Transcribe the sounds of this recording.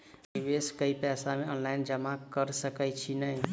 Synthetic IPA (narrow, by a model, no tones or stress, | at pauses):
biʋeskəipɛsameənlajind͡ʒəmakəɾsəkət͡ʃʰinəj